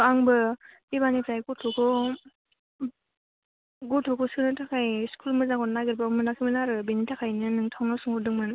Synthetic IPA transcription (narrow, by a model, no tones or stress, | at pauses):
aŋbɯdibanipʰɾajɡutʰukʰɔ | ɡutʰukʰɔskɯnɯtʰakʰajskʰulmɯzaŋɡɔnaɡɯɾbaɯmɯnakʰimɯnaɾɯbinitʰakʰajnɯnɯŋtʰawnasuŋɡɔdɯŋmɯn